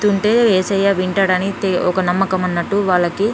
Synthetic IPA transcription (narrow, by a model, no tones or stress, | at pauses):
t̪uɳʈe̞ːeːsɐjːaːʋiɳʈɐːɽɐnit̪eɔkɐnɐmːɐkɐmɐnːɐʈːuʋaːɭːɐki